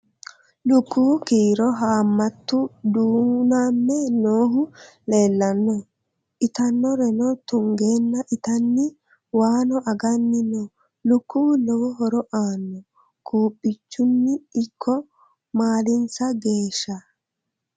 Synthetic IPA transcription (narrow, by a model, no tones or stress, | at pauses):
lʊkːuːkiːɾɔɦaːmːɐt̪ːʊd̪uːnaːmːɛnoːɦʊ | le̞ːlːɐnːɔ | ʔɪt̪ɐnːɔɾɛnɔt̪ʊŋɡe̞ːnːɐʔɪt̪ɐnːɪ | waːnɔʔɐɡɐnːɪnɔ | lʊkːuːlɔwɔɦɔɾɔʔaːnːɔ | kʰuːpʼːɪt͡ʃːʊnːɪːkʰːɔ | maːlɪnsɐɡe̞ːʃːɐ